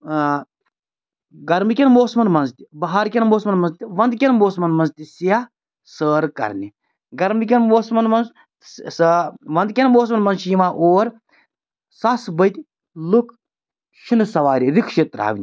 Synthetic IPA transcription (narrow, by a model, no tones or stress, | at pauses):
ɡɐɾmikʲɐnmoːsmɐnmɐnzt̪ʲi̥bɐɦaːɾkʲɐnmoːsmɐnmɐnzt̪ʲiʋɐnd̪kʲɐnmoːsmɐnmɐnzt̪isija | səːɾkɐ̰ɾni | ɡɐɾmik̬ʲɐnmoːsmɐnmɐnz | sʋɐnd̪kʲɐnmoːsmɐnmɐnzt͡ʃjimaːʔoːɾ | sɐsbɐt̪i | luk | ʃinɨsɐʋaːɾiɾikʰʃeːt̪ɾa̰ːʋnʲi